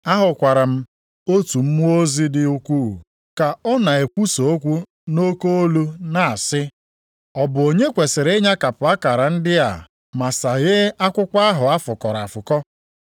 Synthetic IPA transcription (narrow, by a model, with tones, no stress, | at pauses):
a˦ɦʊ˨kʷa˨ɾa˨m̩˦ | o˦tu˨m̩˦mu˦o˦zi˦dɪ˦u˦kʷu˦˨ | ka˨ɔ˦na˨e˨kʷu˦so˨o˦kʷu˦ | no˦ko˦o˦lu˦na˨a˨sɪ˦ | ɔ˨bʊ˨o˨ɲe˦kʷe˨se˨ɾe˦ɲa˦ka˨pʊ˨a˦ka˨ɾa˨n̩˦dɪ˦a̰˨ | ma˨sa˨ɣɪ˦a˦kʷʊ˦kʷa˦a˦ɦʊ˨a˦fʊ˨kɔ˨ɾa˨fʊ˨kɔ˦